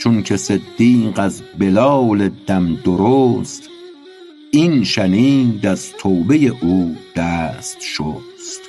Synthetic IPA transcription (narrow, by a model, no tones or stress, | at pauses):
t͡ʃʰoncʰese̞d̪ːiːɢæzbelɒːled̪æmd̪oɾost̪ | inʃæniːd̪æzt̪ʰoːbe̞je̞ʔuːd̪̥æːst̪ʃost̪